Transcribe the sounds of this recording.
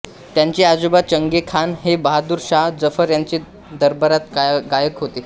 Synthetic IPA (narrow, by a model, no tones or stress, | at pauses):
t̪jaɲt͡ɕiad͡zubat͡ɕəŋɡekʰanɦebəɦad̪uːɾɕaɦd͡zəfəɾjaɲt͡ɕi | d̪əɾbəɾat̪ɡajəkɦot̪e